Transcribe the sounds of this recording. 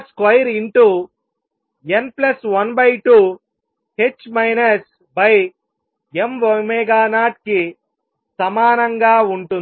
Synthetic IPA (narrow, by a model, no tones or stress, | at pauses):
skɐjɐɾiɳʈu | enplɐsʋɐnbɐjʈu | het͡ʃːmɐjnɐs | bɐj | emʋɐmeɡaːnaːʈ̚ki | sɐmaːnɐŋɡaːuɳʈun